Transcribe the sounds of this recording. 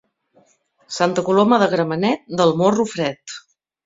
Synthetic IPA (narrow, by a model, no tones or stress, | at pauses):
sant̪əkuloməðəɣɾəmənɛt̪̚d̪əlˠmorufɾɛt̪